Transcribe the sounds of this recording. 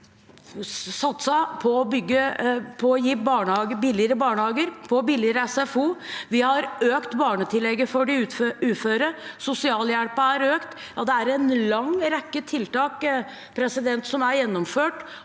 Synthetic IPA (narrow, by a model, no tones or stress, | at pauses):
sɑt̪səpʰɔːbʏɡːəpʰɔːjiːbɑːɳəhɑːɡəbɪlɪəɾəbɑːɳəhɑːɡəɾpʰɔbɪlɪəɾəɛsɛfuːʋɪhɑɾøːkt̪bɑːɳət̪ʰɪlːɛɡːəfɔɖɪʉʉːt̪føːɾəsʊsɪɑːljæɽpəæɾøːkt̪ | jɑd̪ɛæɾɛnlɑŋɾɛkːət̪ʰɪlt̪ɑːk | pʰɾɛsɪd̪ɛnt̪sɔmæɾjɛnːɔmføːʈ